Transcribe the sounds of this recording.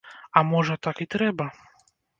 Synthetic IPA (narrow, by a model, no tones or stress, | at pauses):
amɔʐɐt̪akit̪ɾɛbɐ